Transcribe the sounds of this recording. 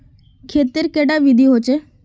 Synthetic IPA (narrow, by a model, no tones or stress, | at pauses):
kʰeːt̪iɾkeɽaʋid̪ʱiɦot͡ʃe